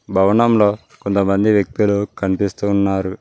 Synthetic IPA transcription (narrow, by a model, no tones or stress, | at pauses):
bʱɐʋɐnɐmlo̞ː | kont̪ɐmɐnd̪iʋjɐk̚t̪ulukɐnipist̪uːnːaːɾu